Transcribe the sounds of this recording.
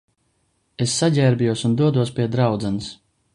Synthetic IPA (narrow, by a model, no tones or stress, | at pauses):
esːaɟʲɛːɾbijuɔsund̪uɔd̪uɔspʲiɛd̪ɾawd̪zɛnɨs